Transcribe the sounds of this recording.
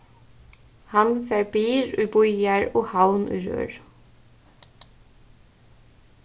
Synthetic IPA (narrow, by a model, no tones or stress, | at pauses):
hɑnfeːɹbiːɹʉːbʊʏæɹoːhɑʊnʔʉ̰ːɾø̰ːɹ